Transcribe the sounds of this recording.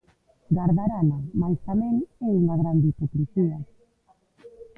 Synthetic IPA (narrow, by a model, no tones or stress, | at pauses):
ɡaɾðaɾanamajst̪amẽŋeuŋaɣɾand̪ipokɾisia